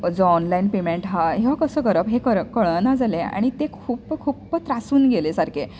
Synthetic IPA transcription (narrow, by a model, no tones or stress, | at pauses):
d͡zɔnlainpemeɳʈɦaɦeʋakəsəːkəɾəpɦekəɾəkəɭɭnad͡zalea̰ɽ̃it̪ekʰuːpkʰuːpt̪ɾasuːnɡelesaɾkʰe